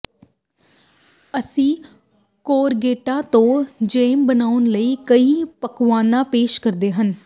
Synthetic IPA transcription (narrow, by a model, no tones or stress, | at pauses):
əsĩː | koːɾɡeːʈãːt̪õːd͡ʒeːmbənaːʊnləiːkəiːpəkʋaːnãːpeːʃkəɾd̪eːɦən